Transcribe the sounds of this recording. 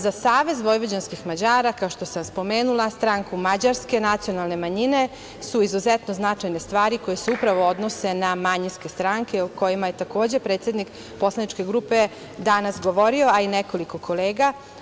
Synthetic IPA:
zasaːʋe̞zʋo̞jʋod͡ʑanskixmad͡ʑaːɾakao̞ʃt̪o̞samspo̞me̞ːnulˠast̪ɾaŋkumad͡ʑaɾske̞nat̪sio̞nalˠne̞maɲine̞ | suizuzɛt̪no̞znat͡ʃajne̞st̪ʋaːɾiko̞jeseupɾaʋo̞o̞d̪no̞se̞namaɲinske̞st̪ɾaŋkeuko̞jimaje̞t̪ako̞ːd͡ʑe̞pɾet̪sje̞d̪nik | po̞slˠanit͡ʃke̞ɡɾupe | d̪anasɡo̞ʋo̞ɾio̞aineko̞liko̞kʰoleːɡa

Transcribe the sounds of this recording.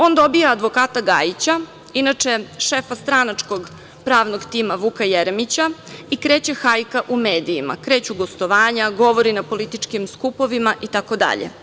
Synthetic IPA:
o̞ːnd̪o̞bijaːd̪ʋo̞kaːt̪aɡajit͡ɕa | inat͡ʂe̞ʃefast̪ɾanat͡ʂko̞ɡ | pɾaːʋnoɡt̪iːmaʋukajeɾmit͡ɕaikɾe̞ːt͡ɕe̞xajkaʔume̞ːd̪iːma̰kɾe̞ːt͡ɕuɡo̞st̪o̞ʋaːɲaɡo̞ʋo̞ɾinapo̞lit̪it͡ʃkimskupo̞ʋimaʔit̪ako̞d̪a̰ʎḛ

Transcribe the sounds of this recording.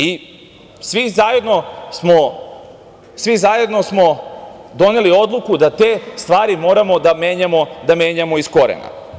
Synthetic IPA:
i | sʋizaje̞d̪no̞smo̞ | sʋizaje̞d̪no̞smo̞d̪o̞ne̞lio̞d̪lˠukud̪at̪e̞ːst̪ʋaːɾimo̞ːɾamo̞d̪ame̞ːɲamo̞d̪ameːɲamo̞isko̞ɾḛna̰

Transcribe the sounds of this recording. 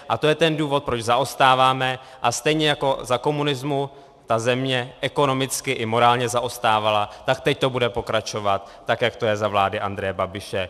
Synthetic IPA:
ʔat̪o̞jɛt̪ɛnduːvo̞t̪̚pɾot͡ʃzaʔo̞st̪aːvaːmɛ | ʔast̪ɛjɲɛjako̞zako̞munɪzmu | t̪azɛmɲɛʔɛko̞no̞mɪt͡skɪʔɪmo̞ɾaːlɲɛzaʔo̞st̪aːvalat̪ak̚t̪ɛc̚t̪o̞budɛpo̞kɾat͡ʃo̞vat̪ːakjakt̪o̞jɛzavlaːdɪʔand̪ɾɛjɛbabɪʃɛ

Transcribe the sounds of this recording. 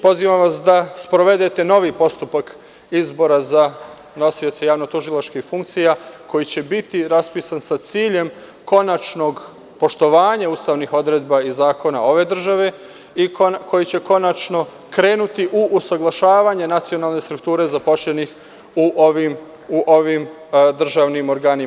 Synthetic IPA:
po̞ziːʋamʋasd̪aspɾo̞ʋe̞d̪e̞t̪e̞no̞ʋipo̞st̪upak | izbo̞ɾaza | no̞sio̞t̪sejaːʋnot̪uʒilˠat͡ʃkixfuŋk̚t̪sijako̞jit͡ɕe̞bit̪iɾaspiːsansat̪siːʎe̞m | ko̞nat͡ʃno̞ɡ | po̞ʃt̪o̞ʋaːɲauːst̪aːʋnixo̞d̪ɾe̞ːd̪baizaːko̞nao̞ʋe̞ːd̪r̩ʒaʋe̞ | ikʰo̞jit͡ɕe̞ko̞nat͡ʃno̞ | kɾe̞ːnut̪iʔuʔusaɡlˠaʃaːʋaːɲe̞nat̪sio̞naːlˠne̞st̪ɾukt̪uːɾe̞zapo̞ʃʎenix | uʔoʋim | uʔoʋim | d̪r̩ʒaːʋnimo̞ɾɡaːni

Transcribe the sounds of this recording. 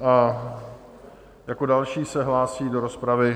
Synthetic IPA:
ʔa | jako̞dalʃiːsɛɦlaːsiːdo̞ɾo̞spɾavɪ

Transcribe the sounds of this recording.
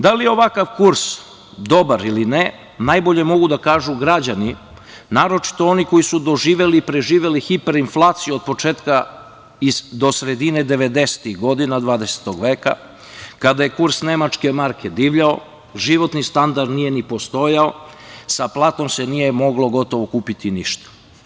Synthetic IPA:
d̪alijeo̞ʋakaʋkuɾs | d̪o̞baɾiline | najbo̞ʎe̞mo̞ɡud̪akaːʒuɡɾad͡ʑani | naːɾo̞t͡ʃi̥t̪o̞oniko̞jisud̪o̞ʒiːʋe̞lipɾe̞ʒiːʋe̞lixipe̞ɾinflˠaːt̪sijuo̞d̪̚po̞t͡ʃeːt̪ka | id̪o̞sɾe̞d̪ine̞d̪e̞ʋe̞d̪e̞se̥t̪iɣɡo̞d̪inad̪ʋaːd̪e̞se̥t̪oɡʋe̞ːka̰ | kad̪aje̞kuɾsne̞mat͡ʃke̞maɾkʰe̞d̪iːʋʎao | ʒiʋo̞t̪nist̪and̪aɾd̪nije̞nipo̞st̪o̞jaosaplˠaːt̪o̞mse̞nije̞mo̞ɡlo̞ɡo̞t̪o̞ʋo̞kuːpit̪iniʃt̪ḁ

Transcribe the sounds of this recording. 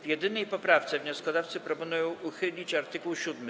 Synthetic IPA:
vjɛd̪ɘnɛjpɔpɾaft̪sɛvɲɔskɔd̪aft̪sɘpɾɔpɔnujɔ̃w̃uxɘlʲit͡ɕaɾt̪ɘkuwɕud̪mɘ

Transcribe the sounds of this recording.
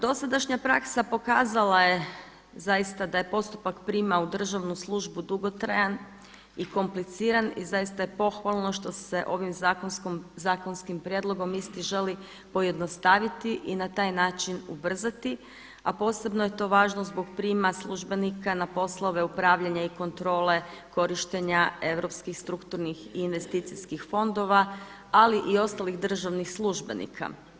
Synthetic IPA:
d̪o̞sad̪aʃɲapɾa̰ksapo̞kaːzalˠaje̞ | zajist̪ad̪aje̞po̞st̪upakpɾiːmaud̪r̩ʒaʋnuslˠuʒbud̪uɡo̞t̪ɾajan | iko̞mplit̪siːɾanizajist̪aje̞po̞xʋalˠno̞ʃt̪ose̞ʔo̞ʋimzakozaːko̞nskimpɾʲjed̪lˠoɡo̞mist̪iʒe̞li | po̞je̞d̪no̞st̪aʋit̪iʔinat̪aːjnaːt͡ʃinubr̩zat̪i | apo̞ːse̞bnoje̞t̪o̞ːʋaːʒnozbo̞ɡpɾiːmaslˠuʒbe̞nikanapo̞slˠoʋe̞upɾaːʋʎaɲaiko̞nt̪ɾo̞ːle̞ | ko̞ɾiʃt̪eɲae̞ʋɾo̞pskixst̪ɾukt̪uɾnixiːnʋe̞st̪iːt̪sijskixfo̞nd̪o̞ʋa | aliʔio̞st̪aliɣd̪r̩ʒaʋnixslˠuʒbe̞̰nḭkʰa̰

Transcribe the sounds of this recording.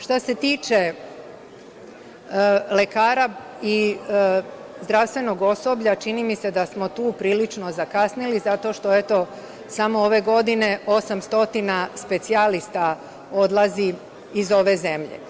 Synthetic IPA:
ʃt̪ase̞t̪iːt͡ʃe̞ | le̞kaːɾa | i | zd̪ɾaʋst̪ʋe̞no̞ɡo̞so̞bʎat͡ʃinimise̞d̪asmo̞t̪uːpɾiːlit͡ʃno̞zakasnilizat̪o̞ʃt̪o̞et̪o̞ | samooʋe̞ɡo̞d̪ine̞o̞samst̪o̞t̪inaspe̞t̪sialist̪a | o̞d̪lˠaziː | zo̞ʋe̞ze̞mʎe̞̰

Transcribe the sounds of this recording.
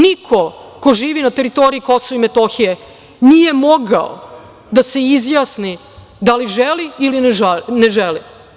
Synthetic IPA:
nikʰo̞koʒiːʋinat̪e̞ɾit̪oɾiiko̞soʋimet̪oxije | niːje̞mo̞ɡao̰ | d̪ase̞izjaːsni | d̪aliʒeliilinʒneʒeli

